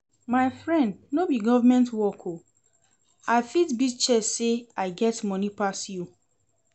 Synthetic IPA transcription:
maɪfɹɛ̃ndnobiɡɔvamɛ̃ntwɔkʰo | aɪfitbit͡ʃɛseaɪɡɛtmɔnipasju

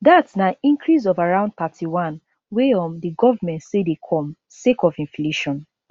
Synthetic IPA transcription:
datsnaĩŋkɹis̬ɔvaɹãʊ̃nd̚patʰiwãn | weɔ̃mdiɡɔvamɛ̃ntsedekʰɔ̃m | sekɔvĩɱfleʃɔ̃n

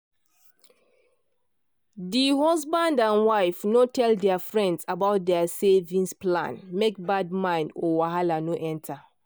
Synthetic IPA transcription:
diɦɔzbãndãnwaɪfnotʰɛldɛafɹɛ̃ndsabaʊt̚dɛasevĩŋsplã̰nmek̚bad̚mãɪ̃ndɔwaɦalanoʔɛ̃ntʰa

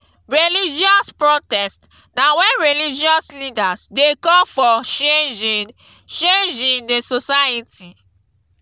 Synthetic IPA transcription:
ɹelid͡ʒɔspɹotɛst | nawɛ̃nɹilid͡ʒiɔslidasdekɔ̃mfɔʃed͡ʒ | t͡ʃẽnd͡ʒĩndesosajitʰi

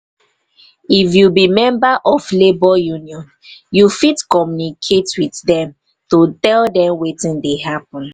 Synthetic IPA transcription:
ifjubimɛ̃mbaʔɔvlebɔjuniɔ̃n | jufitkɔmjunikʰetwiθdɛ̃m | tutɛldɛ̃mwetĩndeɦapɔ̃n

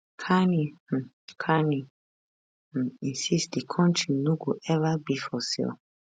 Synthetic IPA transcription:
kʰanĩ | kʰanĩ | ĩnsisd̪ikʰɔ̃ntʰɹinũɡoʔɛvabifɔsḭl

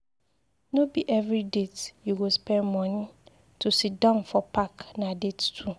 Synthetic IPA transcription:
nobiʔɛvɾidetjuɡospɛ̃nmɔ̃nĩ | tʰusit̚dãʊ̃nfɔpʰaknãdettʰu

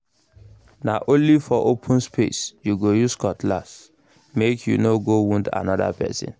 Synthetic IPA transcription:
naʔõnlifɔʔopʰũnspʰesjuɡojuskɔtʰla̰s | mekʰjṵnoɡowũnda̰nɔda̰pʰɛ̰sḭ̃n

